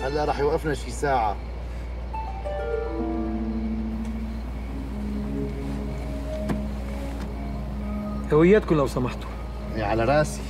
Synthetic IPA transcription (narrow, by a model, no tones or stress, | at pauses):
ʔalːæɾˤɑːħjwʔɪfnaʃisaːʕa̰ | hawɪjːæːt̪̚kʊmlawsˤɑmɑħt̪u̥ | eʕalaɾˤɑːsi̥